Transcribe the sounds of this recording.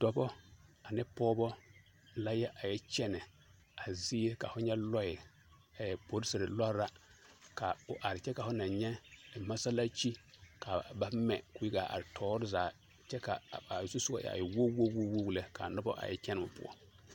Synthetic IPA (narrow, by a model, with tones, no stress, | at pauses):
d̥ɔ˨bɔ˦a˨nɪ˦pɔː˦bɔ˦ | la˦jɛ˦ʔa˨jɛ˦t͡ʃɛ˦nɛ˨ | a˨zi˦ka̰˨fʊ˦ɲɛ˦lɔ˦jɪ˨ | a˨jɛ˨po˨ɾɪ˦sɪ˨ɾɪ˨lɔ˦ɾa˦ka˨ʊ˨ʔa˨ɾɪ˨t͡ʃɛ˦ka˨fʊ˦na˨ɲɛ˦˨ma˦sa˦la˦t͡ʃi˦ | ka˨ba˦mɛ̰˨kʊ˨ji˦ɡa˨a̰˨ɾɪ˨tʰɔː˨˦ɾɪ˦zaː˨ | t͡ʃɛ˦ka̰˨a˨su˦sʊ˦a̰˦jɛ̰˨a̰˨jɛ˨wo˦wo˦wo˦wo˦wu˦le˦ka˨nɔ˦bɔ̰˦ʔa̰˨jɛ̰˦t͡ʃɛ˦n˨ʊ̰˨pʊ̰˦ɔ̰˦